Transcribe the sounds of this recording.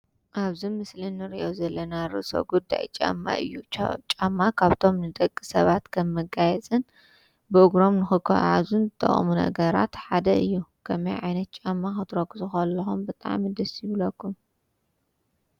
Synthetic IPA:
ʔaβzimɨslɨnːɨɾiʔo̞zɐlːɐnaɾɨ̰ʔso̰ɡud̪ːa̰jt͡ʃʼa̰mːa̰ʔɨ̰jːut͡ʃʼamːakʰaβt̪ʰo̞mnɨd̪ʼɐkʼːisɐβat̪kʰɐmːɨɡajɛt͡sʼɨn | bɨʔɨɡɾo̞mnɨxɨkʰɐ̰ʕa̰zunzɨt̪ʰʼːɐ̰χʼmunɐ̰ɡɐɾa̰t̪ħad̪ɐɨjːukʰɐmɐjʕajnɐt̪̚t͡ʃʼamːaxɨt̪ʰɨɾokːɨzʼɨxɐlːɐxumbɨt̪ʼa̰ʕmid̪ɐsjɪβlɐkːum

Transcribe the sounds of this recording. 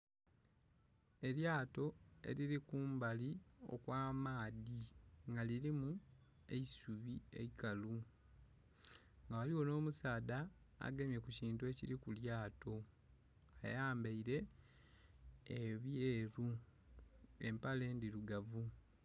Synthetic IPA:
e̞ljaːto̞e̞̰liɾikuːmbalio̞̰kwaːmaːðiŋɡaliɾimu | ḛisuβie̞̰ikalu | ŋɡawaliwo̞no̞ːmusaːda̰ː | ɡemje̞kuciːntue̞ciɾikuljaːto̞ | ajaːmbeiɾe̞ | βjeːɾu | e̞̰mpale̞ːndiɾuɡavu

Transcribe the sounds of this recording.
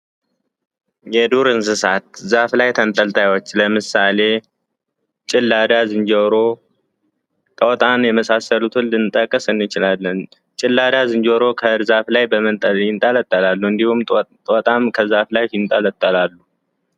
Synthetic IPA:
jɛd̪uɾɨnsɨsat̪̚zaflajt̪ʰənt̪ʼəlt̪ʰʼajwot͡ʃːləmɨsale̞ | t͡ʃʼɪlːad̪azɨɲd͡ʒoɾo | t̪ʼəwt̪ʼanjɛməsasəlut̪hɨlːɨnt̪ʼːəkʼːəsɨnːɨt͡ʃɪlalːən | t͡ʃʼɪlːad̪azɨɲd͡ʒoɾo̞kʰəɾzaflajbəmət̪ʼjɪnt̪ʼələt̪ʼːəlalːuɨnd̪ihumʼ | ot̪ʼamkʰəzaflajɪnt̪ʼələt̪ʼːəlalːu

